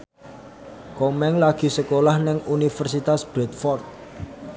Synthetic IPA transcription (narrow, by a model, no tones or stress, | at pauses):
komɛŋlaɡ̥i̤səkolahnɪŋunifərsit̪asb̥ɾɛt̪̚fɔrt̪̚